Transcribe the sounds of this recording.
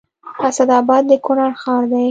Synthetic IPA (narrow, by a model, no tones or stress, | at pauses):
asad̪ɑbɑd̪ːəkʊnɑɾxɑɾd̪aj